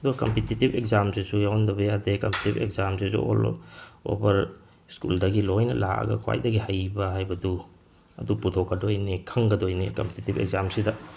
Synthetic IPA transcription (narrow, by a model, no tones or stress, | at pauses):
ɐduɡɐkɐmpititibekzamsisujawndɐbɐjadekɐmpetibḛkzamsisṵo̰lo̰bɐɾ | skṵldɐɡilojnɐla̰ɐ̰ɡɐ̰kʰwa̰jdɐɡihajbɐɦajbɐdu | ɐ̰duputʰɔkːɐdojnikʰɐŋɡɐdojnikɐmpetitibḛɡ̚zamsidɐ